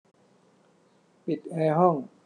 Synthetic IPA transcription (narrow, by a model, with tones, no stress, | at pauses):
pi˨˩t̪̚ʔɛː˧ɦɔ˥˩ŋ